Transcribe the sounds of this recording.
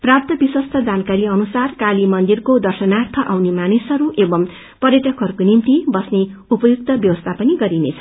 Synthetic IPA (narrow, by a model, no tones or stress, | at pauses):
prap̚t̪ʌbiswʌst̪ʰʌd͡zankaɾiʌnusarkalimʌnd̪irkod̪ʌrsʌnart̪ʰʌʔawnemanisʌɾuʔebʌm | pʌrjʌʈʌkɦʌɾukonimt̪ibʌsneupʌjuk̚t̪ʌbjʌwʌst̪ʰapʌniɡʌɾinḛt͡sʰʌ̥